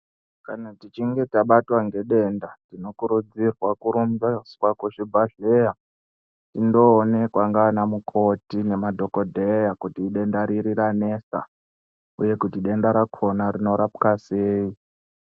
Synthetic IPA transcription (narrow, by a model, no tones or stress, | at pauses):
kanatit͡ʃiŋɡe̞taɓatwaŋɡe̞ɗe̞ndatino̞kuɾud͡zirwakuɾumbaswakuʃibʱaɮeja | tindo̞ːne̞kwaŋɡaːnamukʰo̞tine̞madʱo̞ko̞dʱejakutiːɗe̞ndaɾiɾiɾane̞sa̰ | ṵje̞kutiɗe̞ndaɾakʰo̞naɾino̞ɾapu̥kaseːi